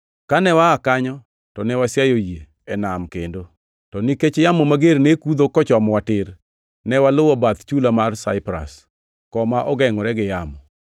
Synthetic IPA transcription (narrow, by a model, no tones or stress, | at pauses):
kanɛwaːkaɲɔ | tɔnɛwasjajojje | ɛnamkendo | tɔniket͡ʃjamomaɡeɾnekud̪okɔt͡ʃɔmɔwatɪɾ | nɛwalʊwɔbat̪t͡ʃulamarsa̰ɪpɾa̰s | kɔmaʔɔɡɛŋɔɾɛɡɪjamɔ